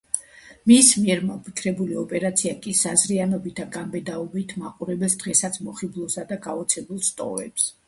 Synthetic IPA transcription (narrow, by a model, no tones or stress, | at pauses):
mismiɛɾmapʰikʰɾɛbuliɔpʼɛɾat̪sʰiakʼisazɾianɔbit̪ʰaɡambɛd̪aɔbit̪ʰma̰qʼuɾɛbɛlˠsd̪̥ʁɛsat̪sʰmɔχiblˠɔsad̪aɡaɔt̪sʰɛbulˠst̪ʼɔ̰vɛ̰ps